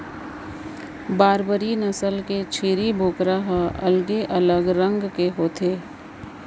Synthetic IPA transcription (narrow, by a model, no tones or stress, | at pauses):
baːɾbəɾinɐsəlket͡ʃʰiːɾibʱoːkɾaɦɐlɡeʔɐləɡɾə̃ŋɡkeɦoːt̪ʰeː